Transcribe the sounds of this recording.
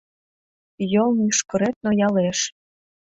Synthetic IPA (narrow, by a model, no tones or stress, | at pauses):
jɤlˠnyʃkɤ̆ɾet̪̚nojɑleʃ